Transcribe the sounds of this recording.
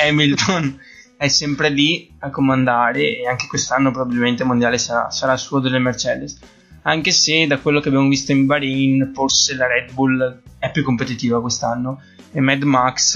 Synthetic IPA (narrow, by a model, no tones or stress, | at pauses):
ɛmilt̪ʰon | ɛsːɛmpɾeliakːomand̪aːɾeːaŋke̥kwest̪anːopɾobabilment̪emond̪jaːlesaɾa̰saɾasːuːod̪elːemert͡ʃɛːd̪es | aŋk̟esed̪akwelːokeabjamovist̪oimbaɾinforselaɾɛd̪bulɛpːjukːompet̪it̪iːvakwest̪anːo | emɛd̪maks